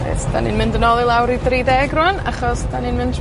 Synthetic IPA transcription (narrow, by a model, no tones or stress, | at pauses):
ḛːsd̥a̰nḭnmɪndənɔlˠilˠawɾidriːdɛːɡrʊana̰χɔsd̥aninmɪnd